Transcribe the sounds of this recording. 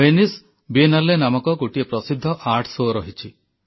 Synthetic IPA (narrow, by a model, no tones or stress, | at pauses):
enis | bienalːenamɔkɔɡuʈiepɾɔsid̪ʱːɔʔaʈʰsoɾɔɦit͡ʃʰi